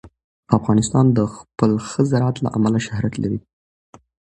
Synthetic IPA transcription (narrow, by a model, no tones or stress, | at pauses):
afɣɑnɪst̪ɑnd̪əxpəlxəzaɾat̪la̰ʔamalaʃahɾat̪laɾi